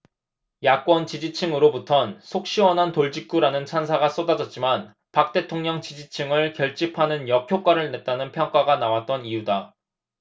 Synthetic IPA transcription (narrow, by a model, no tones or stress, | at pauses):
jak̚k͈wʌnt͡ɕid͡ʑit͡ɕʰiŋɯɾobutʰʌnsʰok̚ɕ͈iwʌnɦantoɭd͡ʑik̚k͈uɾanɯnt͡ɕʰansʰaɡas͈odad͡ʑʌt̚t͡ɕ͈iman | pak̚t͈e̞tʰoŋɲʌŋt͡ɕid͡ʑit͡ɕʰɯŋɯɭkjʌɭt͡ɕ͈ipʰanɯnjʌkʰjok͈waɾɯɭne̞t̚t͈anɯnpʰjʌŋk͈aɡanawat̚t͈ʌnijuda